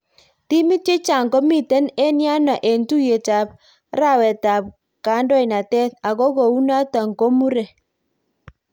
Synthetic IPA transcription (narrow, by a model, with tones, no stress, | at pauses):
ti˦mɪ˦t͡ʃe˦t͡ʃa˨ŋɡo˦mi˨tɛ˦nɛ˦nja˦nɔ˨ʔe˨ntu˦je˨ta˨p̚ | ɾa˦wɛ˨ta˨p̚ | ka˨˦ndɔ˦i˨na˨tɛ˦t̪a˨ko˦ko˨u˦na˦ta˨ŋko˦mu˦ɾɛ˨